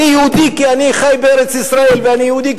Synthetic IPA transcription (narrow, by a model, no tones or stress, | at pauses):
ijud̪ikjaʕnixajbeɾɪt͡sʔɪsɾɑːiːlbænijuːd̪iːk